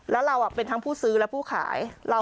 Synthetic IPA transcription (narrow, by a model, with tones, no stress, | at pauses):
lɛː˦˥wɾa˧wʔa˨˩pe˧nt̪ʰa˦˥ŋpʰuː˥˩sɯː˦˥lɛ˦˥pʰuː˥˩kʰa̰ː˩˦jɾa˧